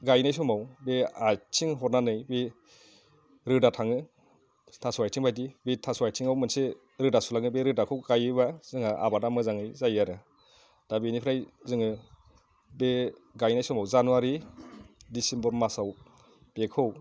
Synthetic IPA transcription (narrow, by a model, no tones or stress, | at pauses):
ɡajnajsɔmawbeatʰiŋɦɔɾnanɯjbe | ɾɯdatʰaŋɯ | tʰasuajtʰiŋbajdibetʰasuajtʰiŋawmɯnse | ɾɯdasulaŋɯbeɾɯdakʰɯwɡajɯβazɯŋaʔa̰badamɯzaŋɯjzajaɾɯ | d̥abenipʰɾajzɯŋɯ | beɡajnajsɔmawzanuaɾi | disimbɔɾmasaw | b̥ekʰɯw